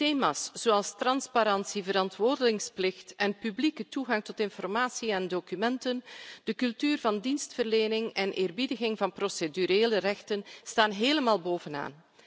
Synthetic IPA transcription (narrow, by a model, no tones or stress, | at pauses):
teːmaːsz̥oːɑlˠstrɑnspaɾɑnsivəɾɑntʋoːrdəlɪŋsplɪxtɛnpyblikətuɣɑŋtɔtɪnfɔrmaːsiɛndokymɛntənd̥əkɵlˠtyːrvɑndinstfərleːnɪŋɛnʔɪːrbidəɣɪŋvɑnprosedyɾeːlərɛxtənstaːnɦeːləmaːlˠboːvəna̰ːn